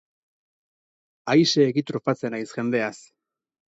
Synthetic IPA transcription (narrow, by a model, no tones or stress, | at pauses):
ajse̞ːɣit̪ɾofat͡se̞najsʝe̞nd̪e̞as